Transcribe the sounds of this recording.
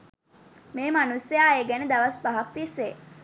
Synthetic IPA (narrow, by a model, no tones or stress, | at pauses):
meːmanusːejaːeɡɛned̪aʋaspaɦakt̪ise